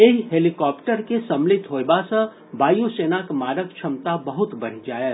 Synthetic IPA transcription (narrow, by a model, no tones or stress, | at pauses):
eɦɦeːlikɔːpʈəɾkesɐ̃mlɪt̪ɦoːjbasə̃ | baːjuseːnakmaːɾək̚t͡ʃʰɐmt̪abɐɦʊt̪bɐɽ̤d͡ʒaːeː